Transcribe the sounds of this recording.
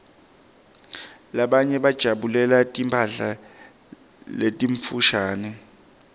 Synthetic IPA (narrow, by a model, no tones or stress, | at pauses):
laɓaɲɛɓad̥ʒ̥ʱaɓulɛlatʼimpʰaɬa | letʼiɱfuʃaːnɛ